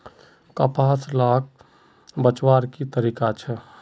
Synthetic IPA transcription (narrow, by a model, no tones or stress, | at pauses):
kəpaːslaːk̚ | bət͡ʃwaːɾkit̪əɾiːkat͡ʃʰɛ